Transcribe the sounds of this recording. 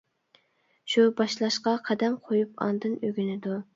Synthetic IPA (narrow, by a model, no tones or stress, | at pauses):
ʃubɑʃlˠɑʃqɑqʰæd̪ɛmqʰojupɑ̰nd̪ɨnøɡʲynɪd̪u